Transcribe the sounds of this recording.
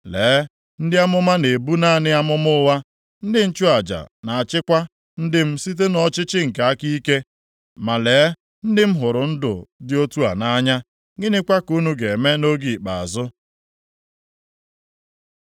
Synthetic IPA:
leː˨˦ | n̩˦dɪ˦a˦mʊ˦ma˦ne˨bu˦na˦˨nɪ˦a˦mʊ˦mʊ˦wa˦ | n̩˦dɪ˦n̩˦t͡ʃu˦a˨d͡ʒa̰˨na˨a˨t͡ʃɪ˦kʷa˦ | n̩˦dɪ˦m̩˦si˦t̬e˦nɔ˦t͡ʃɪ˦t͡ʃɪ˦ŋ̩˨ka˨a˦ki˦ke˦ | ma˨leː˨˦ | n̩˦dɪ˦m̩˦ɦʊ˨ɾʊ˨n̩˦dʊ̰˨dɪ˦o˦tu˦a˨na˦ɲa˦ | ŋɪ˦nɪ˦kʷa˦ku˦nu˦ɡe˨me˦no˦ɡi˨k͡pa˨a˨zʊ˦

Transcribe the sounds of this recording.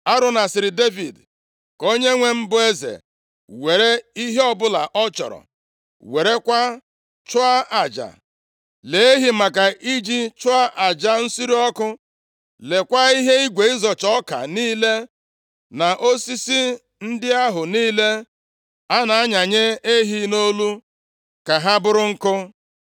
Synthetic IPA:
a˦ɾʊ˨na˨sɪ˨ɾɪ˨de˦vḭ˨d | ko˦ɲe˦ŋʷe˦m̩˦bʊ˦e˦zḛ˨ | we˨ɾe˦i˦ɦe˦ɔ˦bʊ˦la̰˨ʔɔ˦t͡ʃɔ̰˨ɾɔ̰˨ | we˨ɾe˦kʷa˦ | t͡ʃʊ˦a˦a˨d͡ʒa̰˨ | le˨e˦ɦi˨ma˨ka˨ʔi˦d͡ʒi˦t͡ʃʊ˦a˦ʔa˨d͡ʒa˦n̩˦si˦ɾi˦ɔ˦kʊ˦ | le˨kʷa˦i˦ɦe˦i˦ɡʷe˨i˦zɔ˨t͡ʃɔ˦ka̰˨niː˦le˦ | na˨ʔo˦si˦si˦ | n̩˦dɪ˦a˦ɦʊ˨niː˦le˦ | a˦na˨a˦ɲa˨ɲe˦e˦ɦi˦no˦lu˦ | ka˨ɦa˦bʊ˦ɾʊ˦ŋ̩˦kʊ˦

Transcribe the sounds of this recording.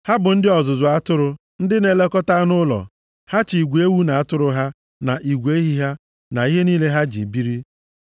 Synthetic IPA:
ha˦bʊ˨n̩˦dɪ˦ɔ˨zʊ˨zʊ˨a˦tʊ˦ɾʊ˨ | n̩˦dɪ˦ne˨le˦kɔ˦ta˦nʊ˦lɔ̰˨ | ha˦t͡ʃi˨ɡʷe˦wu˦na˨a˦tʊ˦ɾʊ˨ɦa˦ | na˨ʔi˨ɡʷe˦ɦi˦ɦa˦ | na˨i˦ɦe˦niː˦le˦ɦa˦d͡ʒḭ˨bi˦ɾi˦

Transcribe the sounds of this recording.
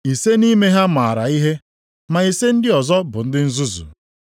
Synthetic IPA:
i˨se˦ni˦me˦ɦa˦ma˨ɾa̰˨i˦ɦe˦ | ma˨i˨se˦n̩˦dɪ˦ɔ˨zɔ˦bʊ˨n̩˦dɪ˦n̩˦zu˦zṵ˨

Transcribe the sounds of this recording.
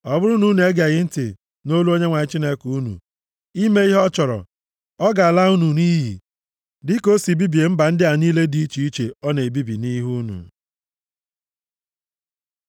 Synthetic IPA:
ɔ˨bʊ˦ɾʊ˦nu˦n˨e˦ɡa˨ɣɪ˦n̩˦tɪ̰˨ | no˦lu˦o˦ɲe˦ŋʷa˨ɲɪ˦t͡ʃi˦ne˦kuu˦nṵ˨ | i˦me˦i˦ɦɔ˦t͡ʃɔ˨ɾɔ̰˨ | ɔ˦ɡa˨a˨la˦u˦nu˨ni˦ɦḭ˨ | dɪ˦ko˦si˨bi˦bi˨e˨m̩˦ba˨n̩˦dɪ˦a˨niː˦le˦di˦i˦t͡ʃi˨i˦t͡ʃe˨ɔ˦ne˨e˨bi˦bi˨ni˦ɦu˦nṵ˨

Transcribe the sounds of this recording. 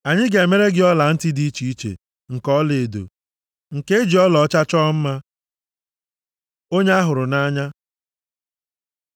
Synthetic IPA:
a˨ɲɪ˦ɡe˨me˦ɾe˦ɡɪ˦ɔ˦la˨n̩˦tɪ˦di˦i˦t͡ʃi˦i˦t͡ʃḛ˨ | ŋ̩˨kɔ˦le˨e˨do̰˨ | ŋ̩˨ke˦e˦d͡ʒi˨ɔ˦lɔ˨˦t͡ʃa˦t͡ʃɔ˦m̩˦ma˦ | o˦ɲe˦a˦ɦʊ˨ɾʊ˨na˦ɲa˦

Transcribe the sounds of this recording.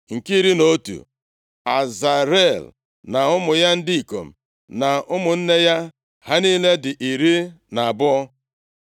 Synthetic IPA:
ŋ̩˨ki˦ɾi˦no˦tṵ˨ | a˨za˨ɾe˦˨l | na˨ʊ˦mʊ˨ja˦n̩˦di˦i˨ko̰˨m̩˨ | na˨ʊ˦mʊ˨n̩˦ne˦ja˦ | ha˦niː˦le˦dɪ˨ʔi˨ɾi˦ | na˨a˨bʊ˦ɔ˦

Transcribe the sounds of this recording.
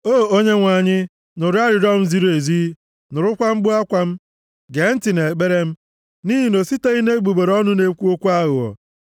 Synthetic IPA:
o˦˨o˦ɲe˦ŋʷa˨ɲɪ˦ | nʊ˨ɾi˦a˦ɾɪ˨ɾɔ˦m̩˦zi˦ɾo˦e˨zi˦ | nʊ˨ɾʊ˦kʷa˦ŋ͡m̩˦ɡ͡bʊ˦a˦kʷa˦m̩˦ | ɡe˨˦n̩˦tɪ˨ne˨ɡ͡be˦ɾe˦m̩˦ | ni˦ɦi˦no˨si˦te˦i˦ne˦ɡ͡bu˨ɡ͡be˨ɾɔ˦nʊ˦ne˨kʷu˦o˦kʷu˦a˦ɣʊ˨ɔ̰˨

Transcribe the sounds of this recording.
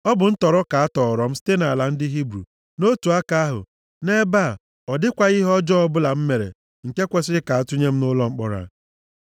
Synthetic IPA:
ɔ˦bʊ˨n̩˦tɔ˨ɾɔ˦ka˨a˦tɔ˨ɾɔ˨˦m̩˦ste˦na˨la˨n̩˦dɪ˦ɦi˦bɾṵ˨ | no˦tu˨a˦ka˦a˦ɦʊ̰˨ | ne˦ba˦˨ | ɔ˨dɪ˦kʷa˨i˦ɦɔ˦d͡ʒɔ˦ɔ˦bʊ˦la˨m̩˦me˨ɾḛ˨ | ŋ̩˨ke˦kʷe˦sɪ˦ɾɪ˦ka˨a˨tʊ˦ɲe˦m̩˦nʊ˦lɔ˦ŋ͡m̩˦k͡pɔ˦ɾa̰˨

